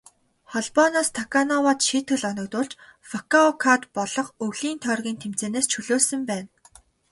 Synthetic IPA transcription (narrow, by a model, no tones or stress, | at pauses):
χɔɮpɔnaːst̪ʰakanɔwaːt̪ʃiːt̪ɡɘ̆ɮɔnɞ̆k̚t̪ʊːɮt͡ɕfɔkaɔkʰat̪pɔɮɞ̆χɵɮiːnt̪ʰœrɣʲiːnt̪ʰem̥t͡seːneːst͡ɕʰɵɮoːsə̆mpæːn